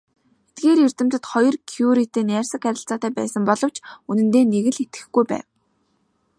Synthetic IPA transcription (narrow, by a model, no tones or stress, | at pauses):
et̪̚ɡeːɾjir̥t̪ɘ̆m̥t̪ɘ̆t̪χɔjɞ̆rkʰjuɾit̪eːnæːrʲsə̆kæɾʲɪ̆ɬt͡sɔːt̪æːpæ̰ːsə̆mpɔɮɞ̆w̥t͡ɕunɘ̆nt̪eːneɣɘ̆ɮet̪ɡɘ̆xɡujpæ̰ːw